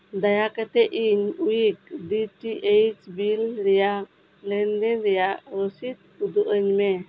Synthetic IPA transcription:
d̪ajakat̪ɛʔiɲuik̚diʈiʔejt͡ʃbilɾɛjaʔ | lɛndɛnɾɛjaʔɾɔsit̪̚ud̪uʔəɲmɛ

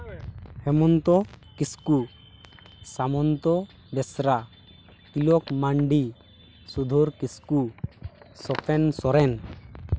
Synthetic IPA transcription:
hɛmɔnt̪ɔkisku | samɔnt̪ɔ | bɛsɾa | k̪ilɔkmaɳɖi | sud̪ʱɔɾkisku | sɔpʰɛnsɔɾɛn

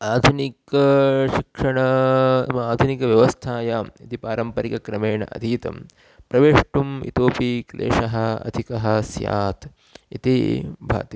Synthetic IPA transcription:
aːd̪ʱunikɐʃikʂɐɳɐmɐaːd̪ʱunikɐʋjɐʋɐst̪ʰaːjaːmit̪ipaːɾɐmpɐɾikɐkɾɐmeːɳɐ̰ʔɐ̰d̪ʱiːt̪ɐ̰m | pɾɐʋeːʂʈumḭt̪oːpiklḛːʂɐɦɐɐ̰d̪ʱikɐɦɐ̆sja̰ːt̪ | it̪ibʱa̰ːt̪i

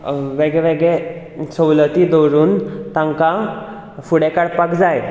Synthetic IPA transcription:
ʋeɡɭɛʋeɡɭe | səwlət̪id̪oɾuːnt̪ãŋka | fuɽekaɽpakd͡zaj

